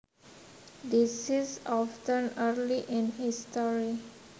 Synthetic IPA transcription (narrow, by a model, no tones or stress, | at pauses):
d̪isizɔftə̃nəɾliʔĩnhistɔɾi